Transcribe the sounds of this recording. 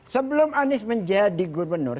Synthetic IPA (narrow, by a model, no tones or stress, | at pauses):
səbəlʊmanɪsməɲd͡ʒadiɡurbənʊr